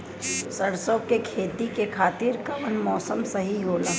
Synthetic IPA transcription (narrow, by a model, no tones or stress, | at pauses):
sɐɽsoːkekʰeːt̪ikekʰaːt̪ɪɾkɐʋənmɔːsəmsɐɦiɦoːla